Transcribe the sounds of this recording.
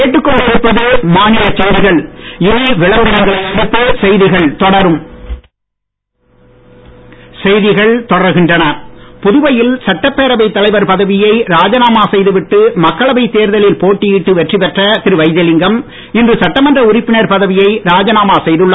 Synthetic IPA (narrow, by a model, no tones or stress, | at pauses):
eːʈːɯkːɔɭːsɪɪpːɐðɯmaːnɪlɐt͡ʃːɛɪðɪɣɐɭɪniʋɪɭɐʋɯɐŋɡɐɽɪpːɯsɛjðɪɣɐɭt̪ɔɽɐɾɯm | sɛjðɪɣɐɭt̪ɔɽɐɾɣɪndrɐnɐpʊðʊʋɐjɪlsɐʈːɐpːeːɾɐʋɐɪt̪ːɐlɐɪʋɐɾpɐðɐʋɪjɐɪɾaːd͡ʒɐnaːmaːsɛjðɯʋɪʈːɯmɐkːɐɭɐʋɐɪt̪ːeːɾðɐlɪlpoːʈːijɪʈːɯʋɛʈripɛʈrɐt̪ɪɾɯʋɐɪðɐlɪŋɡɐm | ɪndrɯsɐʈːɐmɐndrɐʊɾɪpːɪnɐɾpɐðɐʋɪjɐɪɾaːd͡ʒɐnaːmaːsɛjðɯɭːɐ